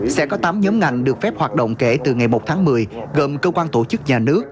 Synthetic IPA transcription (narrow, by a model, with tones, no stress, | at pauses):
sɛ̰˧˥kɔ˨˦t̪aː˨˦mɲɔ˨˦mŋa˨˩jŋ̟ɗɨ˨˩ək̚fɛ˦˥p̚hwaː˨˩t̚ɗo̰˧˨wŋ͡mke˧˩t̪ɨ˨˩ŋa˨˩jmo˨˩t̚t̪ʰːŋmɨ˨˩əjɣə˨˩mkəː˧kwaː˧nt̪o˧˩t͡ɕɨ˦˥k̚ɲaː˨˩nɨ˦˥ək̚